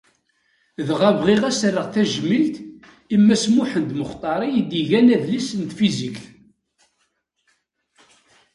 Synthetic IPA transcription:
ðʁævʁiʁæsərːəʁθæʒmilt̪ | imːæsmuħənd̪məχt̪ˤɑɾˤijid̪iʝænæðlisənt̪fizikθ

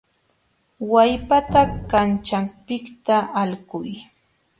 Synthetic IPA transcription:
wajpat̪akant͡ʃampɪkt̪aːlɢʊj

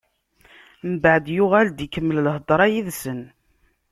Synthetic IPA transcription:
mbəʕd̪jʊʁæld̪ikəmːəlləɦd̪ˤɾˤɑjiðsən

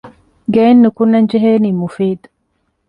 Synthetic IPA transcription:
ɡeːnːukunːɐɲd͡ʒeɦeːniːmufiːd̪u

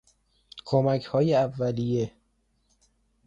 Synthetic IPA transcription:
kʰomæcʰhɒːjeævːælije

